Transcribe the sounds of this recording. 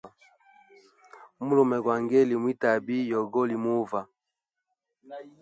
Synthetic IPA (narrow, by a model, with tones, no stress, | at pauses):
mu˦lɔ˨mɛ˨ɡwa˨ŋɡɛ˦li˨mwi˦ta˨bi˦jɔ˨ɡɔ˦li˨mu˦va˨